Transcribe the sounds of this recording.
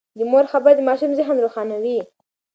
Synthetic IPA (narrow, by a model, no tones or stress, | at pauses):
d̪əmoɾxabaɾd̪əmɑʃumzɪɦnɾoxɑnawi